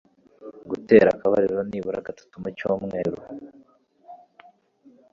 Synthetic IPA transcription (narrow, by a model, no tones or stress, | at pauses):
ɡute̞ːɾakaβaɾiɾo̞niːβuɾaɡatu̥tumecoːmŋe̞ːɾu